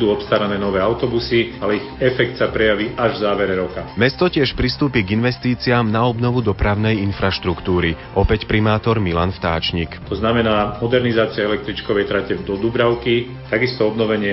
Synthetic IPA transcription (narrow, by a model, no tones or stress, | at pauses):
d̪uːɔpst̪aɾanɛːnɔʋɛːaʊt̪ɔbusialɛiɣɛfɛk̚t̪sapɾɛjaʋiʔaʒvzaːʋɛɾɛɾɔkamɛst̪ɔcɪɛʃpɾist̪uːpiɡinʋɛst̪iːt͡siamnaɔbnɔʋud̪ɔpɾaʊnɛjinfɾaʃt̪ɾukt̪uːɾiʔɔpɛcpɾimaːt̪ɔɾmila̰nft̪a̰ːt͡ʃɲikt̪ɔznamɛnaːmɔd̪ɛɾnizaːt͡siaɛlɛk̚t̪ɾit͡ʃkɔʋɛjt̪ɾacɛvd̪ɔd̪ubɾaʊki | t̪aɡist̪ɔɔbnɔʋɛɲɪɛ